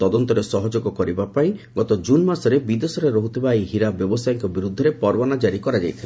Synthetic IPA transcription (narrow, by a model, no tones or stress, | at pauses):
t̪ɔd̪ɔnt̪ɔɾesɔɦɔd͡ʒɔɡɔkɔɾibapaĩɡɔt̪ɔd͡ʒunmasɔɾebid̪esɔɾeɾɔɦut̪ʰibaeɦiɾabjɔbɔsajɔŋkɔbiɾud̪ʱːɔɾepɔɾbanad͡ʒaɾikɔɾad͡ʒajt̪ʰila